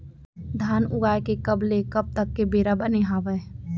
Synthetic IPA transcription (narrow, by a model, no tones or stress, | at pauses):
d̪ʱaːnʊɡaːjkekəblekəb̚t̪əkːebeːɾabəneɦaːʋɛ